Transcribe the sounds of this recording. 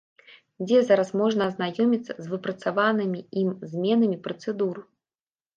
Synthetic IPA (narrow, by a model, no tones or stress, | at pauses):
d͡zʲɛzaɾɐsmɔʐnɐːznajɔmʲit̪sːɐ̰zvɨpɾɐt̪savanɨmʲiimzʲmʲɛnɐmʲipɾɐt̪sɨd̪uɾɨ